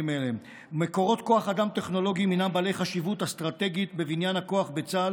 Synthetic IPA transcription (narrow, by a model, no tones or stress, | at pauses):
imele | meko̞ʁo̞t̪ko̞aχad̪amt̪e̞χno̞lo̞ɡiminambalejχaʃivut̪ast̪ʁat̪e̞ɡit̪be̞vinjanako̞aχbe̞t͡sal